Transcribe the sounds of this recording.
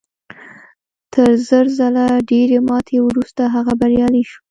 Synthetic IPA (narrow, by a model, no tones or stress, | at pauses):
t̪ʰəɾzəɾzalaɖeɾemɑt̪ʰewɾust̪aɦaɣabaɾjɑliʃu̥